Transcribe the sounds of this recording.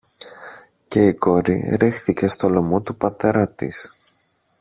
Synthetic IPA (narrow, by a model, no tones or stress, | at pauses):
ce̞iko̞ɾḭɾixθice̞st̪o̞lo̞mo̞t̪upɐt̪e̞ɾɐt̪ḭs